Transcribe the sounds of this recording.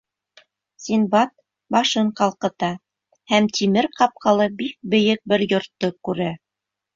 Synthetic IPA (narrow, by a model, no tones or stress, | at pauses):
sʲinbɑt̪̚ | bɑʃɤɴqɑlˠqɤ̆t̪ɑ | hæmt̪ʰimɘɾqɑp̚qɑlˠɤbik̚bɘ̆jɘk̚bɘɾjŏɾt̪ːokʉɾæ